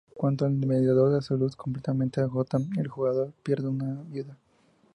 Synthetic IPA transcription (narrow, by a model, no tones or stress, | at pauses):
kwant̪oalmeðjaðo̞ɾðeasolusko̞mplet̪ament̪eaɣot̪aelxuɣaðo̞ɾpje̞ɾðeunaβjuða